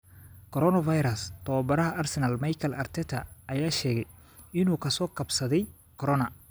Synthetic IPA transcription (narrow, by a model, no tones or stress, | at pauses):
kʰɔɾɔnɐfajɾɐst̪ʰɔwbɐɾɐɦɐʔɐrsɛnɐlmɐjkʰɐlʔɐrt̪ʰɛt̪ʰɐ̰ɐjaːʃɛːɣɛj | ɪnuːkʰɐsɔːkʰɐbsɐðɛj | kʰɔɾɔnɐ